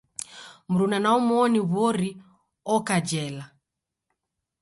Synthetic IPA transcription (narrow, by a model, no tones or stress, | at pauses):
m̩ɾunanaɔmɔniβwɔɾi | ɔkad͡ʒɛla